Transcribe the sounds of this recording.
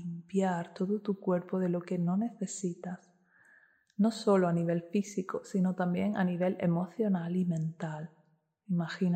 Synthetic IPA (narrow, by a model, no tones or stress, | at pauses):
impjaɾt̪o̞ðot̪ukwe̞ɾpoðe̞lo̞ke̞no̞ne̞θe̞sit̪as | no̞so̞loaniβ̞e̞lfisikosino̞t̪ambje̞ŋa̰niβ̞e̞le̞̰mo̞θjo̞nalimẽ̞nt̪al | imaxin